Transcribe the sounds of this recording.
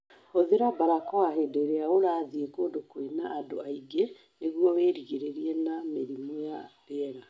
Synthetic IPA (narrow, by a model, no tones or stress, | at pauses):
oðeɾabaɾakɔaɦedeɾeaoɾaðiekoːdokwenaʔːdoaiɡe | neɣuɔweːɾiɣeɾeɾiɛnameɾimojaɾeɛɣa